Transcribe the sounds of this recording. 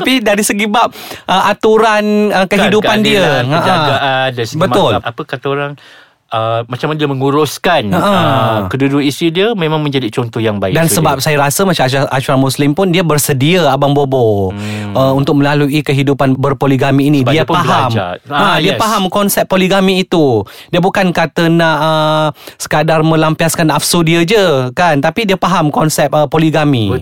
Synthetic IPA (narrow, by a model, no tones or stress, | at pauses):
tapidaɾisəɡibap̚ʔəʔat̪uɾanəkəɦidupandiəaʔaaadasbəmʊlapəkat̪oɾaŋ | əmat͡ʃamandiəməŋuɾʊskanəʔəəkəduduisidiəmẽmãŋmə̃ɲd͡ʒadit͡ʃɔnt̪ɔhjaŋbaɪkdansəbap̚sajaɾasəmat͡ʃamʔaʃuɾamuslɪmpʊndiəbərsədiəabaŋbobo | əunt̪ʊk̚mə̃laluʔikəɦidupanbərpoliɡamiːnĩdbiəppaɦamd͡ʒaadiəpaɦamkɔnsɛp̚ːoliɡamiːt̪udiəbukankat̪ənaʔəsə̥kadarmə̃lampiaskanʔafsodiəd͡ʒəkant̪apidiəpaɦamkɔnsɛp̚əpoliɡami